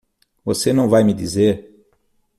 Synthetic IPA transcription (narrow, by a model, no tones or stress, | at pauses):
vosenɐ̃w̃vajmɪd̪izeɾ